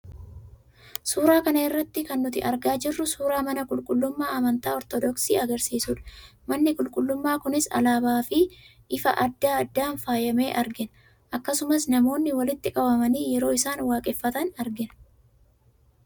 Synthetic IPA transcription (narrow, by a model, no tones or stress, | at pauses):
suːɾaːkɐnɐɪrːɐt̪ːɪkɐnːʊt̪ɪ̰ʔɐɾɡaːd͡ʒɪrːʊsuːɾaːmɐnɐkʼʊlkʼʊlːʊmːaːɐmɐnt̪aːɔɾt̪ɔd̪ɔksiːɐɡɐɾsiːsuːᶑɐ̥ | mɐnːɪkʼʊlkʼʊlːʊmːaːkʊnɪsɐ̰laːbaːfɪ | ʔɪfɐʔɐd̪ːaːɐd̪ːaːnfaːjɐme̞ːʔɐɾɡɪnɐ | ʔɐkːɐsʊmɐsnɐmo̞ːnːɪwɐlɪt̪ːɪkʼɐbɐmɐniːjɛɾo̞ːɪsaːnwaːkʼɛfːɐt̪ɐnɐɾɡɪnɐ